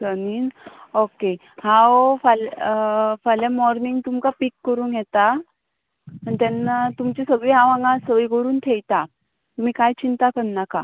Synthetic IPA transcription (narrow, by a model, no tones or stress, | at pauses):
səniːnoke | hãofal | falamɔɾniŋɡt̪umkapikːəɾuːnjɛt̪a | ənit̪ɛnat̪umt͡ɕesəɡɭiːɦãʋãŋɡãsəʋiːkəɾuːnt̪ʰejt̪a | t̪um̤ikajt͡ɕint̪akənːaka